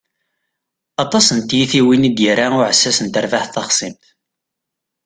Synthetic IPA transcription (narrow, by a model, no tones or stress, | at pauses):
ɑt̪ˤɑsənt̪jiθiwinid̪jəɾaʊʕəsːæsənt̪əɾvaħθɑχsˤimt̪